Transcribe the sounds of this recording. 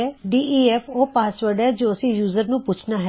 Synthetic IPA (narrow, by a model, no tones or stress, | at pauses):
ɛɖiːʔiːɛfopaːsʋəɾɖɛd͡ʒoːɐsĩjuːzəɾnũpʊːt͡ʃʰnaɦɛ